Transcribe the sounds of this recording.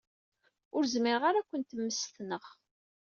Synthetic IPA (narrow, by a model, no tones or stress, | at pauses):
ʊɾzmɪɾʁaɾækʷːənt̪əmːəst̪nəχ